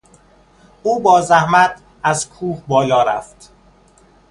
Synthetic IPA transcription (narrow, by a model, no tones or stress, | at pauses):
uːbɒːzæhmæt̪ʰ | æzkʰuːhbɒːlɒːɾæ̰ft̪